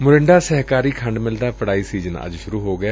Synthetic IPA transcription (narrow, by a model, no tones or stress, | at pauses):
mʊɾɪɳɖaːsɛɦkaːɾiːkʰəɳɖmɪld̪aːpəɽaːiːsiːd͡ʒənə̰d͡ʒʃʊɾuːɦoːɡɪjaː